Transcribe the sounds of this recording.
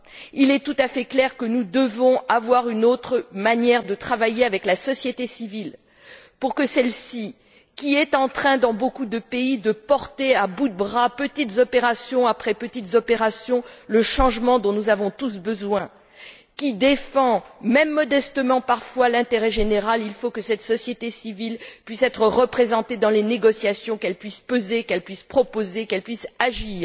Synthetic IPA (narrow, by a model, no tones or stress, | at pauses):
ilɛt̪ut̪afɛklɛʁkənud̪əvɔ̃avwaʁynot̪χəmanjɛʁd̪ət̪χavajeavɛklasɔsjet̪esivil | puʁkəsɛlsi | kʲiɛt̪ɑ̃t̪χɛ̃d̪ɑ̃bokud̪əpeid̪əpɔʁt̪eabud̪əbʁapət̪it̪zɔpeʁasjɔ̃apχɛpət̪it̪zɔpeʁasjɔ̃ləʃɑ̃ʒmɑ̃d̪ɔ̃nuzavɔ̃t̪us̬bəzwɛ̃ | kʲid̪efɑ̃mɛmːɔd̪ɛst̪əmɑ̃paʁfwalɛ̃t̪eʁɛʒeneʁalilfokəsɛt̪sɔsjet̪esivilpɥisɛt̪χəʁəpχezɑ̃t̪ed̪ɑ̃leneɡɔsjasjɔ̃kɛlpɥispøzekɛlpɥispχɔpozekɛlpɥisaʒiːʁ